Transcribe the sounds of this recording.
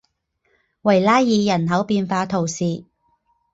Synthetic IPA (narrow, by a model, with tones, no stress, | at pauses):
wɐ˨˩jlaː˥jːiː˨˧jɐ˨˩nɦɐ˨˥wpiː˧nfaː˧t̪ʰo˨˩wsiː˨˧